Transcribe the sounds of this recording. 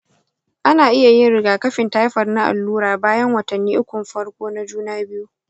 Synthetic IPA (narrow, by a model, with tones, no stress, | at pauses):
ʔa˦naː˨ʔɪ˦ja˨jɪ˦nɾɪ˨ɡaː˨kɐ˦ɸɪ˨nta˦jɸɐ˨rna˦ʔa̰˨lːuː˦ɾaː˨baː˦jɐ˦ŋwɐ˨tɐ˨nːiː˦ʔʊ˦kʷʊ˨mɸɐ˦rkʷoː˦na˦d͡ʒuː˦naː˦bɪ˦ju˦